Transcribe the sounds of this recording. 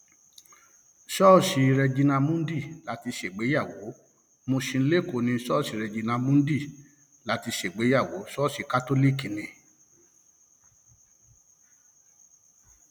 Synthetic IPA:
ʃɔ˦˨ʃi˧ɾɛ˧d͡ʒi˧nã˧mũ˦n̩˦di˦˨la˨˦ti˧ʃe˨ɡ͡be˨˦ja˦˨wo˨˦ | mõ˧ʃĩ˧˦le˦˨ko˨nĩ˧˦ʃɔ˦˨ʃi˧ɾɛ˧d͡ʒi˧nã˧mũ˦n̩˦di˦˨ | la˨˦ti˧ʃe˨ɡ͡be˨˦ja˦˨wo˨˦ʃɔ˦˨ʃi˧ka˦to˦li˦˨ki˨nĩ˨

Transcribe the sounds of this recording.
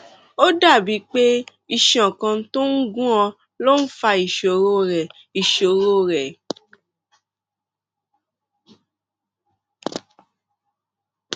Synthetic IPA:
o˦da˦˨bi˨˦k͡pe˦ | i˦˧ʃɔ̃˨kã˧˦to˦n̩˦ɡũ˦ã˧ | lo˦n̩˦fa˧i˨ʃo˨ɾo˦ɾɛ˨ | i˨ʃo˨ɾo˦ɾɛ˨

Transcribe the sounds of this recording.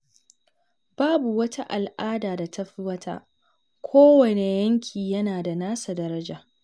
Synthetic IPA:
b̥aː˦bu˨wɐ˦tʰa˦ʔa˨lʔaː˦daː˨da˨tʰɐ˦ɸi˦wɐ˦tʰa̰˦ | kʷʰoː˦wɐ˨ne˨jɐ˦ŋkʲʰiː˨jɐ˦naː˨da˨naː˦sa˨dɐ˦ɾɐ˦d͡ʒaː˨

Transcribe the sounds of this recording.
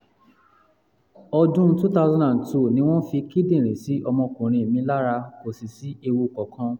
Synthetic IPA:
ɔ˧dũ˦tu˦ta˧˦ʊ˧zã˦ndã˨ntu˦˨nĩ˧˦w̃ɔ̃˦fi˧ki˦dĩ˦˨ɾ̃ẽ˨si˨˦ɔ˧mɔ̃˧kũ˨ɾ̃ĩ˧e˨mĩ˧˦la˦ɾa˧ko˨si˨si˨˦e˧wo˧kɔ˨kʰã˧˦

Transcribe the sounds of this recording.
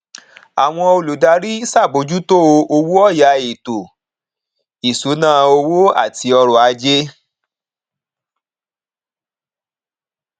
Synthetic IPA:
a˨w̃ɔ̃˧o˧lu˨da˧ɾi˦sa˦˨bo˨˦d͡ʒu˦to˦o˧o˧wu˦ɔ˦˨ja˨˧e˨to˨ | i˨su˨˦nãː˦˨˧o˧wo˦a̰˦˨ti˧ɔ˧ɾɔ˨a˧d͡ʒe˦

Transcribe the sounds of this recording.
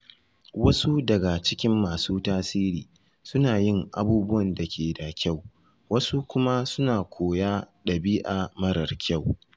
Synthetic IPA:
wɐ˦su˦dɐ˨ɡa˨t͡ʃɪ˦kʲɪ˦mːaː˨suː˦taː˦siː˦ɾiː˨ | sʊ˦naː˨jɪ˦˨ŋʔa̰˨buː˦bʊ˦wɐ˨nda˨kʲʰeː˨da˨kʲa˦˨w | wɐ˦su˦kʷʊ˦ma˦sʊ˦naː˨kʷʰoː˨jaː˦ɗɐ˨biː˦ʔa˨mɐ˦ɾɐ˨rkʲa˦˨w

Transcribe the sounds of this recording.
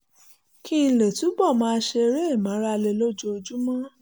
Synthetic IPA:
ki˦˧˨le˨tu˨˦bɔ˦˨mãː˦˧˦ʃe˧e˧ɾe˦e˦˨mã˨˦ɾa˦˧le˧lo˦d͡ʒo˧o˧d͡ʒu˦mã˦

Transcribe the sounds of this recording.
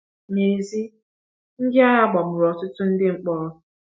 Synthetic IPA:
ɲe˨zi˦ | ŋ̩˦dɪ˦a˦ɦa˦ɡ͡bɔ˨mʊ˨ɾɔ˨tʊ˦tʊ˦n̩˦dɪ˦ŋ͡m̩˨k͡pɔː˦˨

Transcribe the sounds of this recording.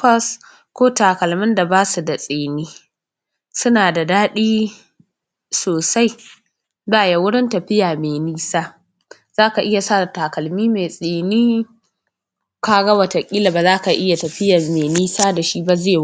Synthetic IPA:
pɐ˦s | kʷoː˦taː˨kɐ˨lmɪ˦nda˨baː˦su˨da˨sʼeː˨niː˦ | sʊ˦naː˨da˨daː˦ɗiː˦ | soː˨sa˦j | baː˦˨ja˨wʊ˦ɽɪ˦ntɐ˨ɸɪ˦jaː˨meː˨niː˦saː˦ | z̥aː˦ka˨ʔɪ˦ja˨saː˦˨da˨taː˨kɐ˨lmiː˦meː˨sʼeː˨niː˦ | kaː˦ɡɐ˦wɐ˨ta˨kʲʼiː˦la˨ba˨zaː˦ka˨ʔɪ˦ja˨tɐ˨ɸɪ˦ja˨meː˨niː˦saː˦da˨ʃi˦ba˦zeː˦

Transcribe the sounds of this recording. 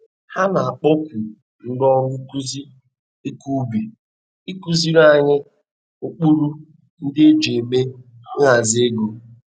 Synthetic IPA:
ha˦na˨a˨k͡pɔ˦kʷu˨ | n̩˦dɔ˦ŋʷʊ˦ku˦zi˦ | e˦ku˦bi˨ | i˦ku˦zi˦ɾa˦˨ɲɪ˦ | o˦k͡pu˦ɾu˦ | n̩˦dɪ˦e˦d͡ʒe˨me˦ | ŋ̩˦a˨zɪ˦e˦ɡo˨

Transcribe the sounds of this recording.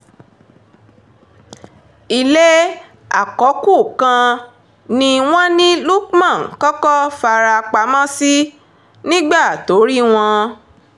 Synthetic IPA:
i˧le˦ | a̰˨kɔ˨˦ku˦˨kã˧ | nĩ˧w̃ɔ̃˦nĩ˦lu˦k̚mã˦˨kɔ˦kɔ˦fa˧ɾa˧k͡pa˨˦mã˦si˦ | nĩ˦ɡ͡ba˦˨to˨˦ɾi˦w̃ɔ̃˧

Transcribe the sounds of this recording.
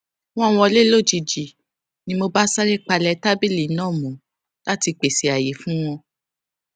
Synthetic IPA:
w̃ɔ̃˦˨w̃ɔ̃˧le˦lo˦˨d͡ʒi˧d͡ʒi˨ | nĩ˧˦mo˧ba˦sa˦ɾi˦k͡pa˧lɛ˧˦ta˦bi˦li˨˦nãː˦˨mũ˨˦ | la˦ti˧k͡pe˨si˨˦a˨je˨˦fũ˦w̃ɔ̃˧

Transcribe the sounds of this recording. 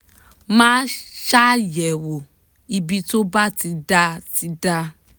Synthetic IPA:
mãː˦ʃa˦jɛ˨wo˨ | i˧bi˧to˦ba˦ti˨˦da˧ti˨˦da˧

